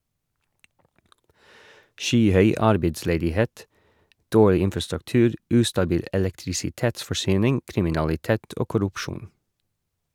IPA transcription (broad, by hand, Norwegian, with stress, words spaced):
ˈʃyːˌhœʏ ˈɑɾbeɪdsleːdɪˌheːt ˈdoːɭɪ ˈɪnfɑstʉkˌtʉːɾ ˈʉːstɑˌbiːl ʔɛlɛktɾɪsɪˈteːtsfɔˌʃyːnɪŋ kɾɪmɪnɑlɪˈteːt ˈoː kʊɾʉpˈʃuːn